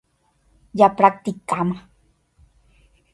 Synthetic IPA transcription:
japɾak̚t̪ikːama

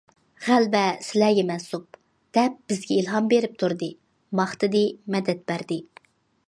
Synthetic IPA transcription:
ʁælbɛsɪlæɡʲɛmɛnsup̚ | d̪̥ɛp̚b̥ɪzɡʲɛilˠɦɑmbeɾɪp̚t̪ʰuɾd̪ɨ | mɑχt̪ʰɨd̪ɨmɛd̪ɛt̪̚bæɾd̪ɪ

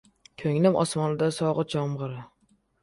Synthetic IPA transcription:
kʲʰɵŋnɪmʔɒ̰smɒnɪd̪asɒʁɨd͡ʒɒmʁɨɾɪ

